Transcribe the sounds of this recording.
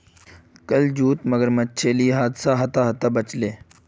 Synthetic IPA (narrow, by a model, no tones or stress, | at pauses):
kəld͡ʒuːt̪məɡəɾmətːt͡ʃʰeːlieɦaːd̪saɦɐt̪aɦɐt̪aːbət͡ʃleː